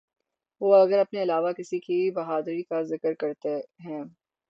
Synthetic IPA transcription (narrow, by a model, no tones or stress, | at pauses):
ʋoːɐɡəɾɐpneɪlaːʋakɪsikibɐɦaːd̪ɾikazɪkəɾkɐɾt̪eɦɛ̃ː